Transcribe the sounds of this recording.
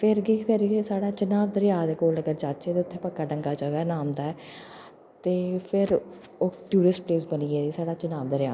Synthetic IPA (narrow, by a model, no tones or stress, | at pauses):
pʰɪɾɡiːpʰɪɾisaːɽaːt͡ʃənaːʋd̪əɾɪjaːd̪ɛkoːləɡəɾd͡ʒaːt͡ʃeːt̪eːʊt̪ʰːẽːpəkːaːɖəŋɡaːd͡ʒəɡanaːmd̪aːɛː | t̪eːpʰɪɾ | oːʈjuːɽɪspleːsbəniːɛːd̪iːsaːɽaːt͡ʃənaːʋd̪əɾjaː